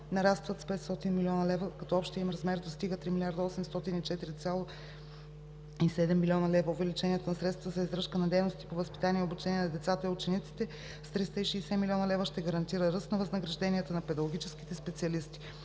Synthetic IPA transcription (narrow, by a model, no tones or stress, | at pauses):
nɐɾast̪vət̪spɛt̪st̪ɔt̪inmiliɔnɐlɛvəkɐt̪ɔɔpʃt̪iəimɾɐzmɛɾd̪ost̪iɡət̪ɾimilʲiaɾd̪ɐɔsɛmst̪ɔt̪init͡ʃɛt̪iɾit̪sʲalˠo | isɛd̪ɛmːilʲiɔnɐlɛvɐovɛlit͡ʃɛniɛt̪onɐsɾɛt̪st̪vəzɐizɾɤʃkənɐd̪ɛjnost̪i̥povəspi̥t̪anijɛobut͡ʃɛniɛnɐd̪ɛt̪sat̪əiʊt͡ʃɛnit̪si̥t̪ɛ | st̪ɾist̪əiʃɛːsɛmilʲɔnɐlɛvəʃt̪ɛɡɐɾɐnt̪iɾəɾɤst̪nɐvəznɐɡɾɐʒd̪ɛniət̪ənɐpɛd̪ɐɡoɡ̟it͡ʃɛsk̟i̥t̪ɛspɛt̪siɐlist̪i̥